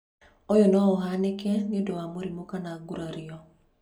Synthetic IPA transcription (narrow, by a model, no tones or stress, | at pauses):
ojɔnɔɔɦanekɛniondowamoɾimokanaːɡuɾaɾiɔ